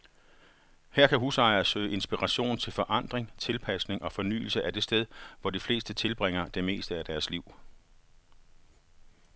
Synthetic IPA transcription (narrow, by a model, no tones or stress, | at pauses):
hæɐ̰kʰæɦusɑ̈ɪɐsøːɪʔe̝nsb̥iʁɑɕo̝̰ːnt͡sʰe̝lfɒ̽ʔɑ̈n̰d̥ʁeŋt͡sʰe̝lpʰæsne̝ŋʔɒ̽fɒ̽ny̰ːl̩səʔæd̥e̝sd̥eð̞ˠʋɒd̥ifle̝̰ːsd̥ət͡sʰe̝lb̥ʁeŋ̰ɐd̥e̝me̝̰ːsd̥əæd̥æɐsliʊ̰